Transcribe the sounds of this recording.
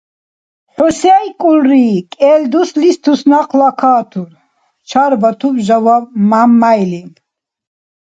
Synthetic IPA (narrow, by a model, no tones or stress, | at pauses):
ħɔsajkʼulɾiːkʼɛːld̪uslist̪ʰusnaqʰlakʰaːt̪ʰuɾ | t͡ʃʰaɾbat̪ʰubʒawamamːajli